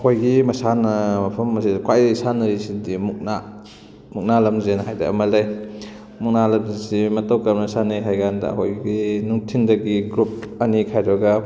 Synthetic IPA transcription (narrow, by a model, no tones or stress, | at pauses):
ɐkʰojɡimɐsanɐmɐpʰɐmːɐsikwajisanɐɾisidimuk̚na | muk̚nalɐmzenɐɦajda̰ɐ̰mɐlej | muk̚nalɐmzisimɐtɐwkamnɐsanɐjɦajɡandɐ̰ɐ̰ko̰jɡinuŋtʰindɐɡiɡɾup̚ɐnikʰajɾɐɡɐ